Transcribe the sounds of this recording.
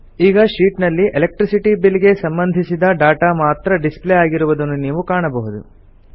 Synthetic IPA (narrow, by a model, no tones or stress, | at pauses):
iːɡɐʃiːʈnɐlːiʔelek̚ʈɾisiʈibiliɡe̞sɐmbɐnd̪ʱisid̪ɐɖaːʈamaːt̪ɾɐɖispleaːɡiɾuʋud̪ɐnːuniːʋukaːɳɐbɐɦud̪ṵ